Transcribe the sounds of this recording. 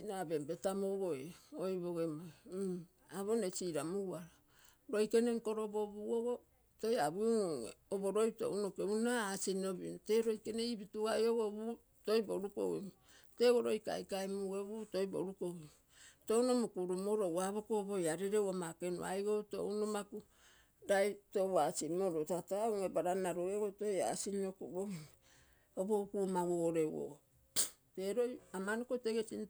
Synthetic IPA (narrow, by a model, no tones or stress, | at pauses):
nabembe̞tamoɡoeojβoɡema | aβo̞nesiɾamuaɾo | ɾo̞jke̞neŋko̞ɾoboβuoɡo | tojaβṵ | oboɾojto̰unokeunaːsinoβinote̞ɾo̞jke̞neibituɡajoɡoβu | to̞jboɾuko̰wimu | te̞ɡoɾojka̰jkaemuɡeβuto̞jbo̰ɾukowim | to̞wnomukuɾumoɾowaβokobojaɾeɾewamakenṵa̰jɡoto̰unomaku | ɾajtowasimoɾotatawŋebaɾanaɾoeɡotoja̰sinokuboi | obo̞kumawoɾe̞wo̰o | te̞ɾojamanokoteɡesin